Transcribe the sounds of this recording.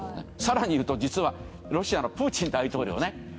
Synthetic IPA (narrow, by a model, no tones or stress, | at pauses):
esaɾaɲ̟ijɯ̟ːt̪o̞d͡ʑit͡sɨβa | ɾo̞ɕianopɯːt͡ɕĩnd̪ait̪o̞ːɾʲḭo̰ne̞